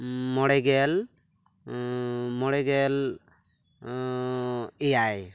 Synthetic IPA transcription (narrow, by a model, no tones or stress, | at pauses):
mɔɽɛɡɛl | mɔɽɛɡɛl | ejaj